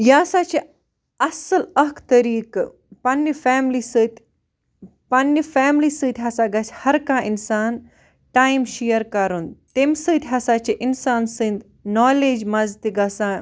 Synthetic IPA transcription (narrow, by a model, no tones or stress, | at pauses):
jaːsaːt͡ʃʰi | ɐsɨlɐkt̪ɐɾiːk | pɐnːifaːmlisɨːt̪ʲ | pɐnːifɛːmliːsɨːt̪ʲɦɐsaːɡɐsʲhɐɾkaːʔinsaːn | ʈaːimʃijəɾkɐɾund̪t̪emsɨːt̪ʲɦɐsaːt͡ʃʰiʔinsaːnsɨnd̪ | noːleːd͡ʒmɐzt̪iɡɐsa